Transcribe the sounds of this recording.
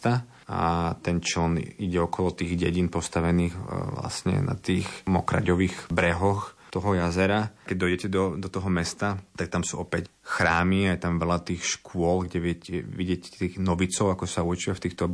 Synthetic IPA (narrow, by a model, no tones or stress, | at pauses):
t̪a | a̰t̪ɛnt͡ʃlniɟɛɔkɔlɔt̪iːɣɟɛɟinpɔst̪aʋɛniːɣʋla̰sɲɛ̰na̰t̪iːxmɔkɾa̰ɟɔʋiːɣbɾɛɦɔxt̪ɔɦɔjazɛɾakɛɟ̚d̪ɔjɛcɛd̪ɔd̪ɔt̪ɔɦɔmɛst̪at̪ak̚t̪amsuːɔpɛc | xɾaːmiajɛt̪amʋɛlat̪iːxʃkʊɔlɡɟɛʋɪɛcɛʋiɟɪɛcɛt̪iːɣnɔʋit͡sɔʊakɔsauɾt͡ʃiʋaft̪iːxt̪ɔ